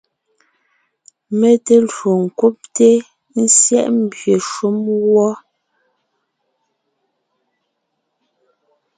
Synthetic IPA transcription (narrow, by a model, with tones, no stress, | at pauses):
me˦te˦lɰo˨ŋ̩˨ku˦p̚te˦ | n̩˦sjɛ̰˦˨ʔm̩˦bɥe˨ʃu˦mɣwɔ˦